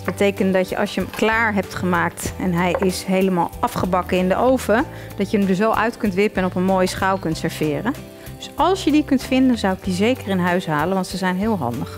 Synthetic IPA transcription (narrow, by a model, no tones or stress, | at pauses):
bətejkəntdɑtjəʔɑ̰lˠsjəəmklaːɹɦɛp̚tχəmaːk̚tɛnɦɛjʔɪsɦejləma̰ːlˠɑfχəbɑkəɪndəʔowvə | d̥ɑtjəəmdəs̬owʔœɥtkɵntʋɪpəɛnɔpənmoːjsχawkɵntsəɹv̥ɪːrən | dɵsɑlˠsjədikɵntfɪndənzʌwɪk̚dizejkərɪnɦœɥsɦaːlənʋɑntsəzɛjnɦɪːlˠɦɑ̰ndəχ